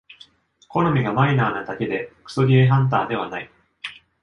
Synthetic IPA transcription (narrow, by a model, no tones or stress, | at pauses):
ko̞no̞mʲiɡamainaːnad̪ake̞d̪e̞kɯ̥soɡʲieɦãnt̪̬aːd̪e̞βanai